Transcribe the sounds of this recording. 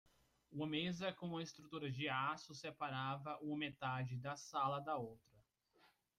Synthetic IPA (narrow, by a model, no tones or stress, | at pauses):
uɐmezɐkõũmɐɪst̪ɾut̪uɾɐd͡ʒɪasʊsepaɾavɐʔũmɐmet̪ad͡ʒɪd̪ɐsalɐd̪ɐowt̪ɾɐ